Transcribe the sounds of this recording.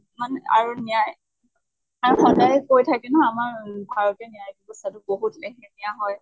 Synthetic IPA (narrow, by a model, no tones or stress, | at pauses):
manɛa̰ɹunijaj | aɹuxɔdajkojtʰakɛnɔɦɔamaɹbʱaɹɔtɛnijajkibɔstatʊboɦutlekɛnijaɦɔj